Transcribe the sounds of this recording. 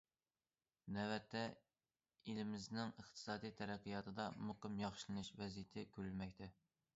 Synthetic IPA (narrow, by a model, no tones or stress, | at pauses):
nɛvɛt̪ʰːɛ | ilɪmɪznɪŋəχt̪ʰɨ̥sɑːd̪ijt̪ʰæɾæqʰɨjɑːt̪ʰɨd̪ɑmoqɨmjɑχʃlˠɨnɨʃvɛzijɪt̪ʰɪkʲʰøɾlmɛk̚ʲt̪ʰɛ